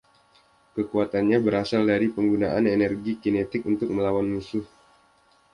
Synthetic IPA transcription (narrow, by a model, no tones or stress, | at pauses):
kəkuat̪anɲabəɾasaldaɾipəŋɡunaʔanenɛrɡikinet̪ɪk̚unt̪ʊk̚məlawanmusʊh